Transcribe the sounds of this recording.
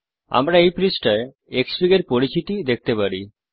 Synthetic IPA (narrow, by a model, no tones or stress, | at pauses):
a̰mɾaejpɾisʈae | eksɾiɡeɾpoɾit͡ɕit̪id̪ek̚ʰt̪epaɾi